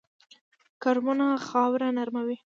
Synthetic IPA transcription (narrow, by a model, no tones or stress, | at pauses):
kaɾmʊnaxɑwɾanaɾmawi